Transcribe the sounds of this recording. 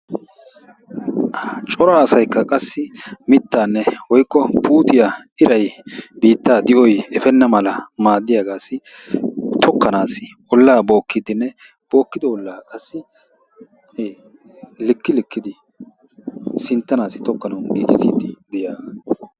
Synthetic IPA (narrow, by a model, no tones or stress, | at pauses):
t͡ʃʼɔɾaːsɐjkːɐkʼɐsːɪmɪt̪ːaːnːɛwɔjkːɔpʰuːt̪ɪjaʔɪɾɐjbiːt̪ːaːd̪ɪʔɔjɛfɛnːɐmɐlɐmaːd̪ːɪjaːɡaːsːɪ | t̪ʰɔkːɐnaːsɪ | ɔlːaːbo̞ːkːɪd̪ɪnːɛ | b̥o̞ːkːɪd̪ɛɔlːaːkʼɐsːɪ | eː | lɪkːɪlɪkːɪd̪ɪ | sɪnt̪ːɐnaːsɪ̥t̪ɔkːɐnɐwnd̪ɪʔɪsḭːt̪ːɪd̪ɪjaːɡaː